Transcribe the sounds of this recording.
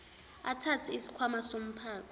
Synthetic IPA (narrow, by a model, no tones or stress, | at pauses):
atʰat͡sʰiisi̥kʰwamasom̩pʰaːkɔ